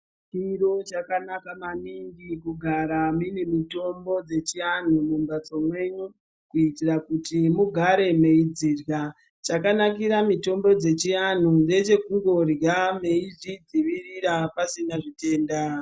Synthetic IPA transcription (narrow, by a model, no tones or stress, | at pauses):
t͡ʃiɾo̞t͡ʃakanakamaniŋɡikuɡʱaɾaminemito̞mbo̞d͡ze̞t͡ʃian̤umumbat͡so̞mwe̞ɲu | kuitirakutimuɡʱaɾe̞me̞id͡zirja | t͡ʃakanak̬iɾamito̞mbo̞d͡ze̞t͡ʃian̤unde̞t͡ʃe̞kuŋɡo̞rjame̞iʐid͡ziʋiriɾapasinaʐite̞ːnda